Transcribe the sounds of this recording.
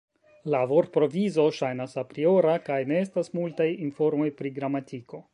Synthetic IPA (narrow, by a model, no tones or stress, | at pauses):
lavo̞ɾt̚pɾo̞vizo̞ʃajnasapɾio̞ɾakajne̞e̞stasmultajinfo̞ɾmo̞jpɾiɡɾamatiko̞